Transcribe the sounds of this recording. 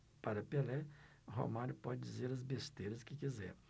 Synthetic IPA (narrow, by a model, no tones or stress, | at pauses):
paɾɐpelɛ | ɦo̰maɾʊpɔd͡ʒɪd͡ʒizeɾɐzbest̪ejɾɐskɪkizɛ̰ɾ